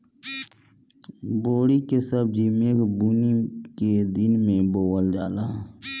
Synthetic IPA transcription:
boːɽikesəb̚d͡ʒiːmekbuniked̪ɪnmẽboːwəld͡ʒaːlaː

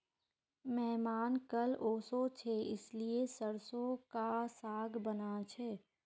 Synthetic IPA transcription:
mɛɦmaːnkɐloːsot͡ʃʰeɪsliesəɾsõkasaːɡbənat͡ʃʰɛː

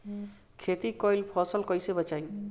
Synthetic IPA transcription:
kʰet̪ikɔjlpʰɔsəlkɔjsebət͡ʃaj

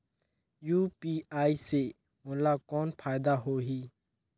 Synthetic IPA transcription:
juːpiːaːiːseː | mʊːlaːkɔːnpʰaːɪd̪aːɦoːɦiː

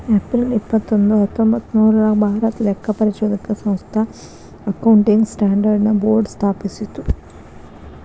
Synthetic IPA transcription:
ɐpɾilipːɐt̪ːond̪uɦɐt̪ːombɐt̪ːnuːɾulakbʱaːɾɐt̪lɛkːɐpɐɾit͡ʃud̪ikːɐsɐ̃mst̪ʰɐ | ɐkɐwɳʈiŋɡsʈaːɳɖɐɾɖnɐboːɾɖst̪ʰaːpisit̪ːu

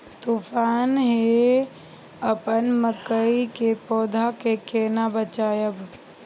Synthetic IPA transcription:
t̪ufʰaːnɦe | əpənməkəikepɔːd̪ʱakekeːnabət͡ʃaːjəb

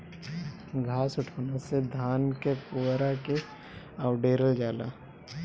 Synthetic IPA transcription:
ɡʱaːsʊʈʰoːnased̪ʱaːnkepuːɾake | awɖeːɾəld͡ʒaːla̰ː

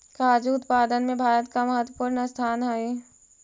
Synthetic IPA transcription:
kaːd͡ʒuʊt̪paːd̪ənmẽbʱaːɾət̪̚kaməɦət̪wəpuːɾnəst̪ʰaːnɦaeː

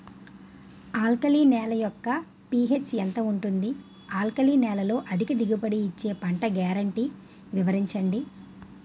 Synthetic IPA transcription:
aːlkɐliːnɛːlɐjɔkːɐ | piːɦet͡ʃːent̪ɐuɳʈund̪i | aːlkɐliːnɛːlɐlo̞ːʔɐd̪ʱikɐd̪iɡupɐɽiːt͡ʃːe̞ːpɐɳʈɐɡaːɾɐɳʈi | ʋiʋɐɾiɲt͡ʃɐɳɖi

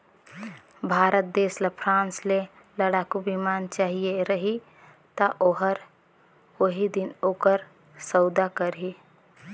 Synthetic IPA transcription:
bʱaːɾət̪̚d̪eːslapʰɾãːnsle | ləɽakubimaːnt͡ʃaːɦieɾəɦi | t̪aʔoɦəɾ | oɦid̪inoːkəɾ | səʊd̪akəɾɦi

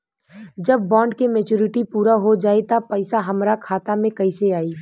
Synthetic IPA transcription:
d͡ʒɐbːãːɳɖkemet͡ʃuːɾɪʈipuːɾaɦod͡ʒaːet̪apɛɪsaɦɐmɾakʰaːt̪amẽkɐɪseaːiː

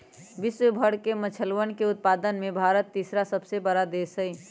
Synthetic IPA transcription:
ʋiswəbʱəɽkemət͡ʃʰəlwənkeʊt̪̚pad̪ənmebʱaɾət̪ːisɾasəbsebəɾad̪esəi

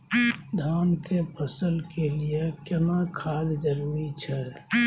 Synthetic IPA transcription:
d̪ʱaːnkepʰəsəlkeliekjənakʰaːd̪d͡ʒəɾmit͡ʃʰɛ

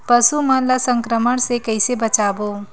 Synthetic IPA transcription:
pəsumələsəŋkɾəməɳsekəɪjsebət͡ʃabo

